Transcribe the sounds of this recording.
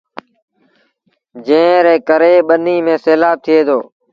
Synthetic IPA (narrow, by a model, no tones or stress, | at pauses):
d͡ʒẽːɾeːkəɾeːɓəniːmẽːseːlaːb̚t̪ʰɪeːd̪oː